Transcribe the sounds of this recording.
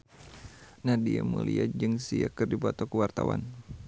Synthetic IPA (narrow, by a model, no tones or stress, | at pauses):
nahdiamuliad͡ʒɨŋsiakɨrdibɔt̪ɔkəwart̪awa̰n